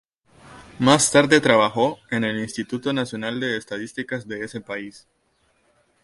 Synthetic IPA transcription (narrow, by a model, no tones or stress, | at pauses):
mast̪aɾðe̞t̪ɾaβaxo̞e̞ne̞linst̪it̪ut̪o̞nasjo̞nald̪e̞ːst̪aðist̪ikazðe̞ese̞pais